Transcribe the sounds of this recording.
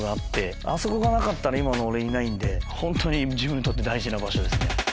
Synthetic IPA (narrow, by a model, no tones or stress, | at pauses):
ɡaːt̪ːe̞ | a̰so̞ko̞ɡanakat̪ːaɾaimano̞ːɾe̞inaĩnd̪e̞hõ̞nt̪oɲ̟id͡ʑibɯ̟̃nt̪o̞t̪ːe̞d̪aiʑinabaɕo̞d̪e̞sɨne̞̰